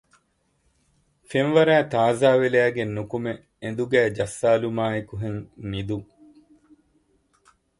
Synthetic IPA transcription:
fenʋɐɾæːt̪aːzaːʋelæːɡenːukume | end̪uɡæːd͡ʒɐsːaːlumaːekuɦeŋmid̪uŋ

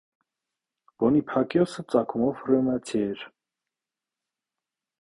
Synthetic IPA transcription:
b̥ɔnipʰɑkjɔsət͡sʼɑkʰumɔvrɛnɑt͡sʰiɛɾ

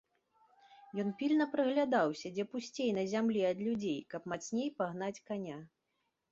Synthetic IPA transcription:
jɔnpʲilʲnɐpɾɨɣlʲad̪awsʲɐd͡zʲɛpusʲt͡sʲejnɐzʲamlʲiɐd̪lʲud͡zʲejkɐpmat͡sʲnʲejpaɣn̪at͡sʲkanʲa

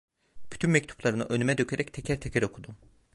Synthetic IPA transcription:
b̥y̥t̪ʰynmɛct̪ʰu̥plˠaɾɯnɯ̰ʔø̞nymɛd̪øcʰeɾɛct̪ʰɛcʰɛɾt̪ʰɛcʰɛɾo̞kʰud̪um

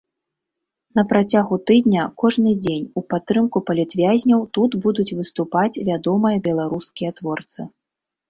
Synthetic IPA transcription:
n̪ɐpɾat͡sʲaɣut̪ɨd̪nʲɐkɔʐnɨd͡zʲenʲupat̪ːɾɨmkupɐlʲit̪vʲazʲnʲɐwt̪ud̪bud̪ut͡sʲvɨst̪upat͡sʲvʲad̪ɔmɨjɐbʲɛlˠaɾuskʲijɐt̪vɔrt̪sɨ

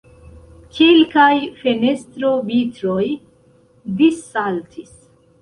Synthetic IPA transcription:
kʰelkajfe̞ne̞stɾo̞vitɾoj | disːaltʰis

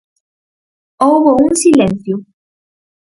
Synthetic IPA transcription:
owβouŋsilẽnθjʊ

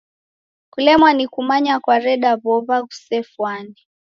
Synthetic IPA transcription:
kulɛmwanikumaɲakwaɾɛɗaβɔβaɣusɛfwani

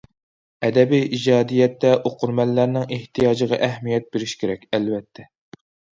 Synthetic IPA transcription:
ɛd̪ɛbijʔid͡ʒɑːd̪ijɛt̪ːɛʔoqʰʊɾmɛlːæɾnɪŋeht̪ʰijɑːd͡ʒəʁɑʔɛhmijɛt̪̚beɾɪʃkʲʰeɾɛkʲɛlvɛt̪ʰːɛ

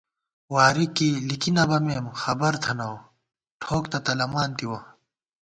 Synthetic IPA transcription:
waːɾikilikinɐbɐmeːmxɐbɐɾt̪ʰɐnɐw | ʈʰoːkt̪ɐt̪ɐlɐmaːnt̪iwɐ

